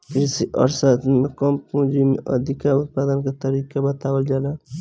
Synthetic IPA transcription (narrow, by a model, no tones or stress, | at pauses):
kɾisiʔə̰ɾsət̪mekəmpũd͡ʒimeʔə̰d̪ʱikaɾut̪̚pad̪ənket̪əɾikebət̪abəld͡ʒala